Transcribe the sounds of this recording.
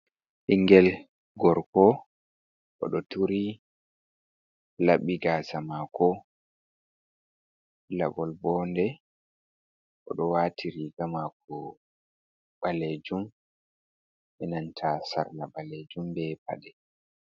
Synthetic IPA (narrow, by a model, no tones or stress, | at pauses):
ʔiŋɡɛl | ɡɔɾkɔ | ʔɔ̰ɗɔtuɾi | laɓiɡasamakɔ | la̰bɔlbɔːndɛ | ʔɔ̰ɗɔwatʰiɾiɡamak̚ɔ | ɓaled͡ʒum | ʔɛnantʰasa̰ɾlaɓaled͡ʒumbɛpa̰ɗɛ